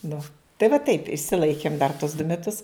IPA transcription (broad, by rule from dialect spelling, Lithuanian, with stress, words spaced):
ˈnʊ tɐɪ ʋɐ tɐɪp ɪʃʲsʲɪˈlˠɐɪkʲeːm dɐr toːs dʊ mʲɛˈtʊs